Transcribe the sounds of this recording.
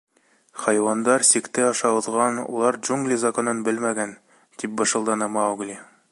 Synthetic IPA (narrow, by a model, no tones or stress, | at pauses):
χɑjwɑnd̪ɑɾsikt̪ɘɑʃɑɤ̆ðʁɑnṵlˠɑɾd͡ʒuŋɡlʲizɐkonɤnbɘlmæɡæn | t̪ip̚bɤ̆ʃɤ̆lˠd̪ɑnɑmɑuɡlʲi